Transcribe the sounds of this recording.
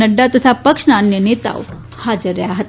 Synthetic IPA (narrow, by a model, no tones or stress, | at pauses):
əɖːat̪ət̪ʰapəkʂnaːnjənet̪a̰ʋ | had͡zəɾːəjaɦət̪